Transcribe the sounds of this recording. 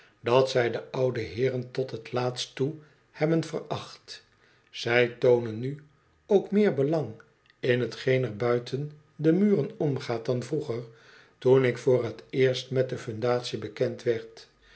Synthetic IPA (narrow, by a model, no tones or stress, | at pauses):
dɑtsɛjdəʔʌwdəɦɪːrəntɔtɦətlaːtstu | hɛbənvə̰rɑχt | z̥ɛjtownənːy | owkmɪːɹbəlɑŋ | ɪnɦətχejnɛɹbœɥtʰən | dəmyːrənɔmχaːt̚dɑnvruχəɹ | tunɪkfʊːrətɪːɹstmɛt̚dəfɵndaːtsibəkɛntʋɛɹt